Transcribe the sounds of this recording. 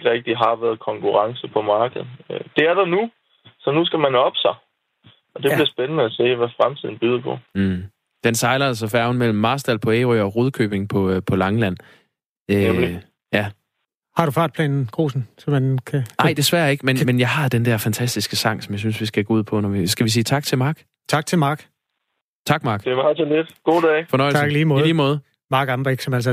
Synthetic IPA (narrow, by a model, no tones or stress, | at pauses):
ɡ̥ʁɛɡ̥̚d̥iɦɑ̈ʋæɐðˠkʰɒ̽ŋkʰuʁɑ̈ŋsəpʰɒ̽mɑ̈ːɡ̥əð̩ˠd̥e̝æɐd̥ɑnu | sɒ̽nusɡ̥æmænɒb̥sɑ̈ɪ | ɒd̥ebliɐsb̥enənəæse̝̰ːʋæfʁamt͡sʰiðˠn̩b̥yːð̞ˠɐpʰɒ̽ | d̥ensɑ̈ɪlɐls̬ɐfæɐʊn̩mel̰m̩ːɑ̈ːsd̥ælpʰɒ̽eːʁiɒ̽ʁuð̞ˠkʰø̰ːb̥e̝ŋpʰɒ̽pʰɒ̽lɑ̈ŋlæn̰ | ø | jæ | hɑ̈ɾufɑ̈ːd̥̚pʰlɛ̰ːnn̩ɡ̥ʁo̝̰ːsn̩sɒ̽mænkʰænɑ̈ɪ̰d̥e̝sʋæːɐe̝ɡ̥əmenmenjɑ̈ɪhɑ̈d̥end̥æɐ̰fænt͡sʰæsd̥isɡ̥əsɑ̈ŋ̰sɒmjɑ̈ɪsynsʋisɡ̥æɡ̥o̰uð̞̰ˠpʰɒ̽nɒʋisɡ̥æʋis̬iːt͡sʰɑ̈ɡ̥̚t͡sʰe̝lmɑ̈ːɡ̥ | t͡sʰɑ̈ɡ̥̚t͡sʰe̝lmɑ̈ːɡ̥ | t͡sʰɑ̈ɡ̥mɑ̈ːɡ̥d̥eʋɑt͡sʰened̥ɡ̥o̝̰ːd̥ɛ̰ːfɒ̽nɒ̽ɪ̰lsɑɡ̥liːmɔ̽ːliːmɔ̽ːðˠ | mɑ̈ɡ̥ɑmb̥eɡ̥sɒ̽mælsɐ